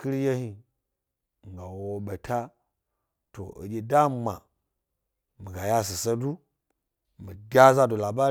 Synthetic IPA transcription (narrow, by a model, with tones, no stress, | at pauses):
ki˦ɾja˦hi˨ | ŋ˨ɡa˨wo˦ɓa˨tʰa˦ | to̰˨ə̰˨d͡ʒʲe˨da˦ma˨ | mi˨ɡa˨ja˦s̬i˨sa˦du˦ | mi˨ɡʲa˦za˦do˨la˨ba˦